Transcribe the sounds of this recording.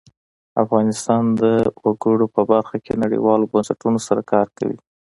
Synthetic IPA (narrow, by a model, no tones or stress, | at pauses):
afɣɑnɪst̪ɑnd̪əwaɡəɽopəbaɾxakenaɽḭwɑlobansaʈunosaɾakɑɾka̰wḭ